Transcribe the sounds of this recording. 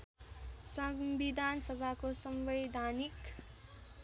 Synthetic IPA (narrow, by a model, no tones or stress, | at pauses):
sʌmbid̪ʱansʌbʱakosʌmbʌjd̪ʱanik